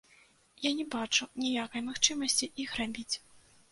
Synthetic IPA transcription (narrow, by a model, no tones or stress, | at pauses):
janʲɛbat͡ʂunʲijakɐjmaxt͡ʂɨmɐsʲt͡sʲiʔixrabʲit͡sʲ